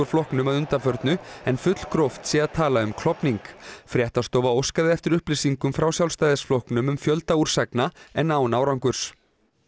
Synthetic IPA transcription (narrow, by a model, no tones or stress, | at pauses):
ʏɾ̥flɔhknʏmaðʏnt̪afœɾt̪nʏɛnfʏt̪l̥kʰɾɔft̪sɛaðt̪ʰaːlaʏmkʰl̥ɔpniŋkfɾjɛht̪ast̪owvaowskaðɪɛft̪ɪɾʏhplɪsiŋkʏmfɾaːwsjawlst̪ajðɪsflɔhknʏmʏmfjœlt̪auɾ̥sɛknaɛnːaːwnaːwɾawŋkʏɾ̥s